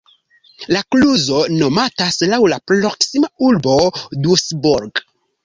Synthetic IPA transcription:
lakluzo̞no̞mataslawlapɾɾoksimaulbo̞dusbuɾɡ

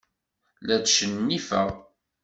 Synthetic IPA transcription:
lædʃənːifə̰ʁ

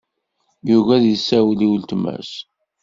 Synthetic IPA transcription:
juvæðjəsːæwliwlt̪mæ̰s

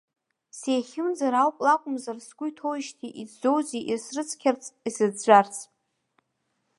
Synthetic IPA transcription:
sejχʲɪmd͡zaɾawpʼlakʷʼʊmzarsɡʷʊjtʰowiʃtʰiʔid͡zzowzeʔirsrɨt͡sʰkʲʰart͡sʼisɨart͡sʰ

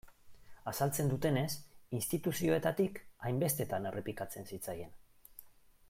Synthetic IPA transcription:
asalt͡se̞nd̪ut̪e̞ne̞sinst̪it̪usio̞e̞t̪at̪ikajmbe̞st̪e̞t̪anere̞pikat͡se̞nsit͡saje̞n

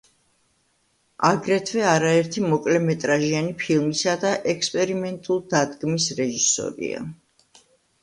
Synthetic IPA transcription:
aɡɾɛt̪ʰvɛaɾaɛɾt̪ʰimɔkʼlɛmɛt̪ʼɾaʒianipʰilˠmisad̪aʔɛkʰspʼɛɾimɛnt̪ʼulˠd̪ad̪ɡmisɾɛʒisɔ̰ɾḭa̰

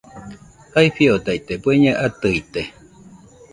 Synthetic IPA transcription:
haiɸiot̪ait̪ebueɲaʔat̪ɯit̪e

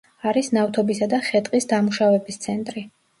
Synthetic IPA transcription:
aɾisnaft̪ʰɔbisad̪aχɛt̪ʼqʼisd̪amuʃavɛbist̪sʰɛnt̪ʼɾi

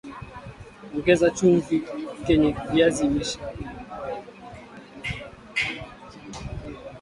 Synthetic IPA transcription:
ɔŋɡɛzat͡ʃuɱvikɛɲɛviazimiʃḁ

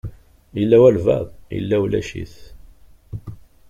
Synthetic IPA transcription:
əlːæwælvæ̰ðjə̰lːæwlæ̰ʃḭθ

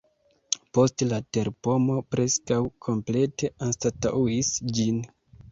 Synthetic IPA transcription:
po̞stlate̞ɾpo̞mo̞pɾe̞skawkʰo̞mple̞te̞anstata̰uisd͡ʒin

